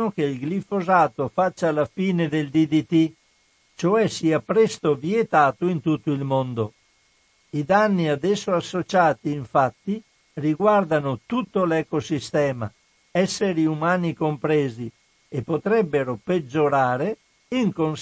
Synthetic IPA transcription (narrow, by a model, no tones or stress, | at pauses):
okeilɡlifozaːt̪ofat͡ʃːalafiːned̪eld̪id̪it̪i | t͡ʃoɛsiːapɾɛst̪oviet̪aːt̪oint̪ut̪ːoilmond̪o | id̪anːiad̪ɛsːoasːot͡ʃaːt̪iːɱfat̪ːi | riɡward̪anot̪ut̪ːolɛkosist̪ɛːma̰ | ɛsːeɾiumaːnikompɾɛːzi | epːot̪ɾɛbːeɾoped͡ʒːoɾaːɾe | iŋkon